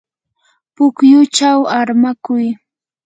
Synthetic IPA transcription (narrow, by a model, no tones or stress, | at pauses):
pʊkjʊt͡ʃawaɾmakʊj